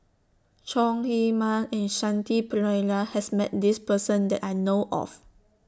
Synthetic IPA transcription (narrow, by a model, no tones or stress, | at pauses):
t͡ʃɔ̃ŋhemãnɛ̃nʃãntiplajnahɛsmɛ̰t̚dispəsə̃ndɛtajnoʔɔ̰f